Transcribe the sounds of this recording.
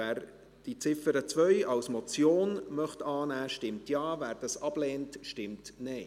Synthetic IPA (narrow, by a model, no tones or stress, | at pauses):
æːɾ | d̥it͡sɪfəɾət͡sʋœʏɑwsmɔt͡sjoːnmœχtɑːnæːʃtɪmtjɑːvæːɾd̥ɑsɑb̥lɛːntʃtɪmtnɛɪ